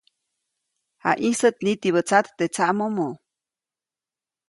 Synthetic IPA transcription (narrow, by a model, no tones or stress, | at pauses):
ha̰ʔisət̪̚nit̪iβət͡sat̪ːet͡saʔmomo